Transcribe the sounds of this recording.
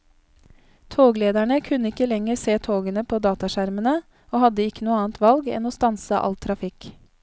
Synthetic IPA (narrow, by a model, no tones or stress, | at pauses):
t̪ʰoːɡleːd̪æɳəkʰʉnəɪkːəlɛŋəɾseːt̪ʰoːɡənəpʰoːd̪ɑːt̪ɑʃæɾmənə | oːhɑd̪əɪkːənuːəɑːnt̪ʰʋɑlɡɛ̰noːst̪ɑnsəʔɑ̰lt̪ʰɾɑfɪk